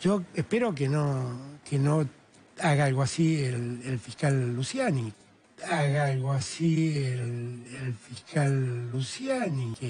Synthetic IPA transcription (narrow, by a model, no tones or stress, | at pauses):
ʒ̥oespeɾokenokeno | aɣaalɣoasielelfihkalːusjani | aɣaalɣoasielelfiskʰalːusjaniŋke